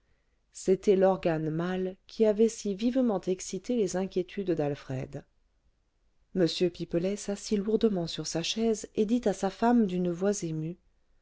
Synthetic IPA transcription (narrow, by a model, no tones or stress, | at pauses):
set̪ɛlɔʁɡanmalkʲʰiavɛsivivmɑ̃t̪ɛksit̪elezɛ̃kʲjet̪ʰyd̪ːalfχɛd̪ | məsjøpipəlɛsasiluʁd̪əmɑ̃syʁsaʃɛzed̪it̪asafamd̪ynəvwazemy